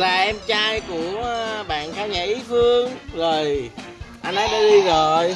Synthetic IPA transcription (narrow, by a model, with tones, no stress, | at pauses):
laː˨˩ʔɛ˧mt͡ɕaː˧jku˧˩əɓa̰ː˧˨nxaː˧wɲaː˨˩ʔi˨˦fɨ˧əŋzo˨˩jʔa˧nʔa˨˦jɗaː˧˥ɗi˧zo˨˩j